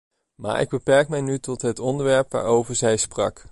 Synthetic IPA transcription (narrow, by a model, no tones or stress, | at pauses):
ma̰ːɹʔɪ̰ɡ̚bəpɛɹk̚mɛjnytɔtɦətɔndəɹʋɛɹpʋa̰ːɹowvəɹzɛjsprɑ̰k